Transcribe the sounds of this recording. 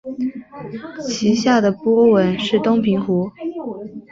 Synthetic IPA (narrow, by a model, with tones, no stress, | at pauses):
t͡ɕʰi˧˥ɕja˥˩d̪ə˩pwɔ˥wə˧˥nʂɻ̩˥˩t̪ʊ˥ŋpʰi˧˥ŋxu˧˥